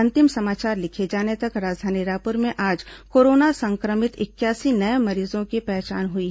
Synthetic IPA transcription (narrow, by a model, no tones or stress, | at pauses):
ɐ̃nt̪ɪmsɐmaːt͡ʃaːɾlɪkʰed͡ʒaːnet̪ɐkɾaːd͡ʒd̪ʱaːniɾaːpʊɾmẽʔaːd͡ʒkoːɾoːnasɐ̃ŋkɾəmɪt̪ɪkjaːsinɐemɐɾiːzõkepɛɦt͡ʃaːnɦʊi